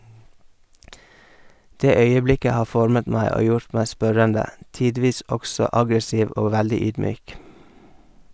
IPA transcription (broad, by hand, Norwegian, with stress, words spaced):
ˈdeː ˈœʏəˌblɪkə ˈhɑː ˈfɔɾmət ˈmæɪ ˈoː ˈjʊɾt ˈmæɪ ˈspœɾəndə ˈtiːˌdʋiːs ˈɔɡsɔ ˈɑɡɾəˌsiːʋ ˈoː ˈʋældɪ ˈyːdˌmyːk